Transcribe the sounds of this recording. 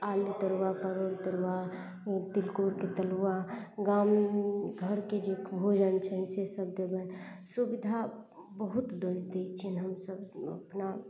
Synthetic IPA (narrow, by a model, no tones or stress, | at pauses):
alut̪əɾwapəɾoɾt̪əɾwa | t̪ilkoɾket̪əlwaɡamɡʱəɾked͡ʒekbʱod͡ʒənt͡ʃʰənsesəb̚d̪ebənsubid̪ʱa | bəɦut̪d̪əd͡ʒd̪et͡ʃʰinɦəmsəbə̰pna